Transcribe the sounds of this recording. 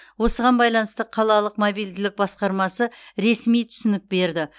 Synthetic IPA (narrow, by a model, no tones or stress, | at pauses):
wo̞səʁɑnbɑjlˠɑnəst̪əqʰɑlˠɑlˠəqmobijld̪ɪlɪk̚bɑsqɑɾmɑsəɾe̞smijt̪ʰʏ̥sʏnɪk̚be̞ɾd̪ɪ